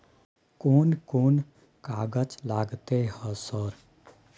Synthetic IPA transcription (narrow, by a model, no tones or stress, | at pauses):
koːnkoːn | kaɡət͡ʃlaɡt̪ehəsəɾ